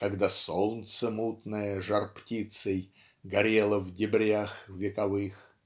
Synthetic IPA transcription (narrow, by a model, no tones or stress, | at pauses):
kɐɡd̪asolˠnt̪səmut̪nəjəʐɐrptʲit̪səj | ɡɐɾʲelˠəvdʲɪbɾʲaxvʲɪkɐvɨx